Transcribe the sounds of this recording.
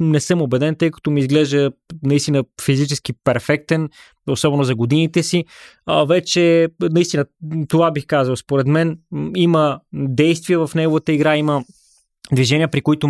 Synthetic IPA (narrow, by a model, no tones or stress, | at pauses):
nɛsɤmobɛd̪ɛnt̪ɤjkɐ̥t̪omiːzɡlɛʒd̪ənɐist̪inəfizit͡ʃɛsk̟ipɛɾfɛk̚t̪ɛn | osɔbɛnʊzɐɡod̪init̪ɛsivɛt͡ʃɛnɐist̪inət̪ovabixkazəlˠspoɾɛt̪mɛniməd̪ɛjst̪viəvɐfnɛɡovət̪əiɡɾaimə | d̪viʒɛniəpɾikoit̪ʊ